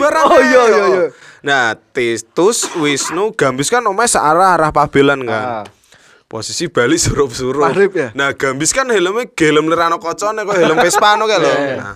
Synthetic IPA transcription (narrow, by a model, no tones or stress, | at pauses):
aɾajo | nat̪it̪ʊswisnuɡ̥ä̤mbiskanomaesaʔaɾaɦaɾahpab̥e̤lanŋɡa | po̰sisib̥a̤lisuɾʊpsuɾʊɾɪpnahɡ̥a̤mbiskanheləmeɡ̥e̤ləmliɾanokɔt͡ʃɔnekoɦeləmpɪspanukelɔna̰